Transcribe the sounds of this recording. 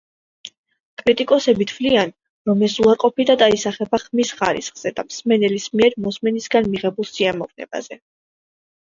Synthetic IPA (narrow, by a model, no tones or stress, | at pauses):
kʼɾit̪ʼikʼɔsɛbit̪ʰvlian | ɾɔmɛsuaɾqʼɔpid̪ad̪aisaχɛbaχmisχaɾḭsχz̥ɛd̪amsmɛnɛlismiɛɾmɔsmɛnisɡanmiʁɛbulˠsiamɔvnɛ̰ba̰z̥ɛ